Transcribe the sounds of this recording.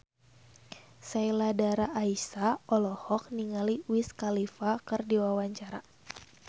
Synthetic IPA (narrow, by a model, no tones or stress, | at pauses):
sajladaɾaʔːisaʔɔlɔhɔk̚niŋaliwiskalifakɨrdiwawaɲt͡ʃaɾa̰